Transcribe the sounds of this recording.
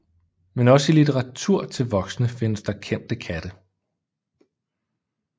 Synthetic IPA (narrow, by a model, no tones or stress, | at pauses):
menɒ̽silit͡sʰeʁɑ̈t͡sʰuɐ̰t͡sʰe̝lʋɒ̽ɡ̥snəfe̝nəsd̥ɑ̈kʰen̰d̥əkʰæd̥ə